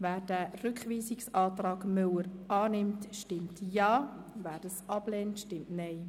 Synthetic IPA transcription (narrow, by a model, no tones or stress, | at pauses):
væːɾd̥ærʏkχʋiːsɪksɑːtrɑːɡ̥mʏləɾʔɑːnɪmtʃtɪmtjɑːvæːɾd̥ɑsɑb̥lɛntʃtɪmtnɛɪ